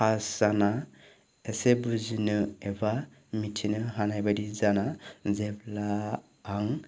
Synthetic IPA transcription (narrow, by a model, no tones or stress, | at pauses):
kʰaszana | esebuzinɯɛba | mitʰinɯɦanajbadizanazɛblaː | ŋ